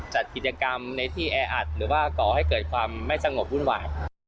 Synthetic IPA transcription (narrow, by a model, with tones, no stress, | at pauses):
t͡ɕa˨˩t̪̚ki˨˩t̪̚t͡ɕa˧ka˧mna˧t̪ʰiː˥˩ʔɛː˧ʔa˨˩t̪̚ɾɯː˩˦waː˥˩kɔː˨˩ha˥˩jkɤː˨˩t̪̚kʰwaː˧mːa˥˩jsa˧ŋo˨˩p̚ɾu˥˩nwa̰ː˨˩j